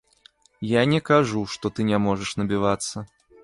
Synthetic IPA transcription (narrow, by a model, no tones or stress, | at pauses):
janʲɛkaʐuʂt̪ɔt̪ɨnʲɛmɔʐɐʂnɐbʲivat̪sːɐ